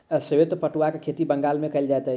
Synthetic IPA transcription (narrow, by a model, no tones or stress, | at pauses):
səbet̪pəʈuʋakekʰet̪ibəŋɡalmekəɪld͡ʒajt̪ə